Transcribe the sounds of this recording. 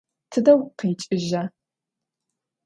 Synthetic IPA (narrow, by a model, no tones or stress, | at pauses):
tʰɨdɐwqeːt͡ʃʼɪʒa